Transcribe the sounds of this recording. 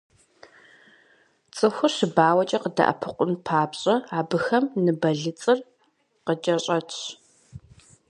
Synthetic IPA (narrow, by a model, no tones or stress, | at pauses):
t͡sʼɨxʷʊɕɪbaːwɐt͡ʃʼɐqədɐ̰ʔɐ̰pʰɨqʷʊnpʰaːbɕʼɐaːbɨxɐmnɨbɐɮɨt͡sʼɨr | qəd͡ʒɐɕʼɐt͡ʃʰ